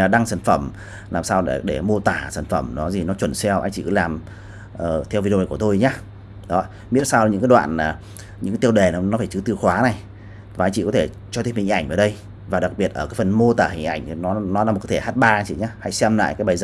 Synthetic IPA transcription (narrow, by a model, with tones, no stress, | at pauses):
ɗa˧ŋsaː˧˩nfə˧˩m | laː˨˩msaː˧we˧˩ɗe˧˩mo˧t̪aː˧˩saː˧˩nfə˧˩mnɔ˨˦zi˨˩nɔ˨˦t͡ɕwə˧˩nsɛ˧wʔa˧jŋ̟t͡ɕḭ˧˨kɨ̰˨˦laː˨˩m | ʔəː˨˩t̪ʰɛ˧wvi˧ɗjku˧˩ət̪o˧jɲaː˧˦ | ɗɔ˨˦ | mḭ˦˥nsaː˧wɨ̰˧˥kaː˨˦ɗwa̰ː˧˨nlaː˨˩ | ɲɨ̰˧˥ŋa˨˦t̪i˧wɗe˨˩nɔ˨˦nɔ˨˦faː˧˩jt͡ɕɨ˨˦t̪ɨ˧əxwaː˨˦na˨˩j | vaː˨ʔa˧ŋt͡ɕḭ˧˨kɔ˨˦t̪ʰe˧˩ | t͡ɕɔ˧t̪i˦˥əphï˨˩ŋ̟ʔjŋ̟vəː˨˩ɗə˧j | vaː˨˩ɗa˨˩k̚ɓi˨˩ət̚ʔəː˧˩kaː˨˦jfə˨˩nmo˧t̪aː˧˩hï˨˩ŋ̟ʔa˧˩jŋ̟˨˩nɔ˨˦nɔ˨˦laː˧˦˨t̚kːt̪ʰe˧˩haː˦˥t̚ɓaː˧t͡ɕi˧˩˦ɲaː˨˦ha̰˧˥jsɛ˧mla̰ː˧˨jkaː˨˦jɓaː˨˩jz